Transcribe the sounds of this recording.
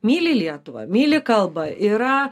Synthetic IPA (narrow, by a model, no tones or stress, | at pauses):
mʲiːlʲɪlʲiɛt̪ʊʋɐ̰mʲiːlʲɪkɐlˠbɐʔiɾɐ